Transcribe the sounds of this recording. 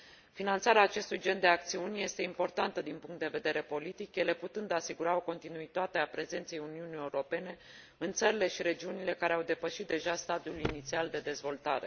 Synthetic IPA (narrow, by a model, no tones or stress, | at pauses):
finant̪saɾeaːt͡ʃe̞st̪ujd͡ʒe̞nd̪e̞ak̚t̪siunʲje̞st̪e̞impo̞rt̪ant̪əd̪inpuŋkt̪d̪e̞ve̞d̪e̞ɾe̞po̞lit̪ikje̞le̞put̪ɨnd̪asiɡuɾao̞ko̞nt̪inuit̪at̪e̞apɾe̞ze̞nt̪se̞juniunije̞uɾo̞pe̞ne̞ | ɨnt̪səɾile̞ʃiɾe̞d͡ʒiunile̞kaɾe̞awd̪e̞pəʃit̪̚d̪e̞ʒast̪ad̪iulinit̪siald̪e̞d̪e̞zvo̞lt̪aɾe̞̰